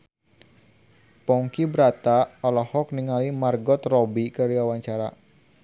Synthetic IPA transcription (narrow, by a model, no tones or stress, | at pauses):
pɔŋkibɾat̪aɔlɔhɔk̚niŋalimarɡɔt̪rɔbikaɾiawaɲt͡ʃaɾa̰